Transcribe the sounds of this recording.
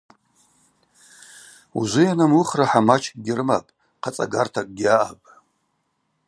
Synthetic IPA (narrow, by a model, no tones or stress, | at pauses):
ṵzʷɨjanamuχraħamat͡ʃʰkʼɡʲɪrma̰pʼ | qʰat͡sʼa̰ɡartʰakʼɡʲaʔapʼ